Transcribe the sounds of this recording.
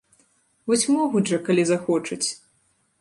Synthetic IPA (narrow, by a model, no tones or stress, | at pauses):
vɔsʲmɔɣud͡zʐɐkalʲizaxɔt͡ʂɨt͡sʲ